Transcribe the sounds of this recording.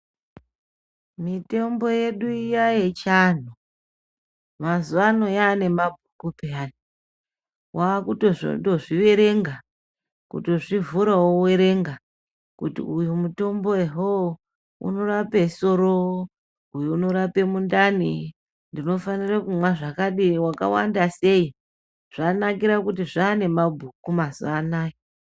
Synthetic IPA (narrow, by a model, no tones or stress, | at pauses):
mite̞mbo̞je̞ɗuijaje̞t͡ʃan̤u | mazuano̞jane̞mabʱukupeani | waːkutoʐo̰to̞ʐiʋe̞ɾe̞ŋɡa | kṵtoʐivuɾawowe̞ɾe̞ŋɡa | kutḭujumuto̞mbo̞eɦo | ṵno̞rape̞so̞ɾo | ujuːno̞ɾape̞mundani | ndino̞fanirakumwaʐakaɗiwaka̰wa̰ndase̞i | ʐ̥anakiɾakutiʐaːne̞mabʱukumazuanaːjo